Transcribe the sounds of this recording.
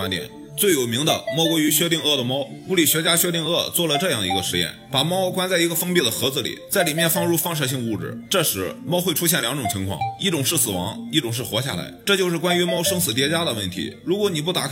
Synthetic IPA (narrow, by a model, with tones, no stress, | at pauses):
a˥nt̪jɛ̰˨˩n | t͡swe˥˩ɪjo˨˩ʊmi˧˥ŋd̪ə̰˧mwɔ˥˧ʊkwɔ˧˥y˧˥ɕɥɛ˥t̪i˥˧ŋɤ˥˩d̪ə˩mɑ˥ʊku˧˥˩li˨˩ɕɥɛ˧˥t͡ɕja˥ɕɥɛ˥t̪̬i˥˧ŋɤ˥˧t͡swɔ˥˩lə˩ʈ͡ʂɤ˥˧jɑ˥˩ŋd̪ə˩i˧˥ɡə˧ʂɻ̩˧˥jɛ̰˥˩npa˨˩mɑ˥˧ʊ˥kwa˥nt͡sa˥˩ɪi˧˥ɡə˧fɤ˥ŋpi˥˩d̪ə˩xɤ˧˥d͡zɹ̩˧˩lḭ˨˩˦t͡sa˥˩ɪli˨˩mjɛ˥˧nfɑ˥˧ŋɻu˥˧fɑ˥˧ŋʂ̬ɤ˥˩ɕ̬i˥˧ŋəu˥˩ʈ͡ʂɻ̩̰˨˩ʈ͡ʂɤ˥˩ʂɻ̩˧˥mɑ˥ʊxwe˥˧ɪʈ͡ʂʰu˥ɕjɛ˥˩nljɑ˧˥ŋʈ͡ʂʊ˨˩ŋt͡ɕʰi˧˥ŋkʰwɑ̰˥˩ŋi˥˩ʈ͡ʂʊ˨˩ŋʂɻ̩˥˩sɹ̩˨˩wɑ̰˧˥ŋi˥˩ʈ͡ʂʊ˨˩ŋʂ̬ɻ̩˥˩xwɔ˧˥ɕja̰˥˩la̰˧˥ɪʈ͡ʂɤ˥˧t͡ɕjo˥˧ʊʂɻ̩˥˩kwa˥ny˧˥mɑ˥˩ʊʂɤ˥ŋsɹ̩˨˩t̪jɛ˧˥t͡ɕja˥d̪ə˨wə˥˩nt̪ʰḭ˧˥ɻu˧˥kwɔ˧˥ni˨˩p̬u˥˩t̪a˨˩k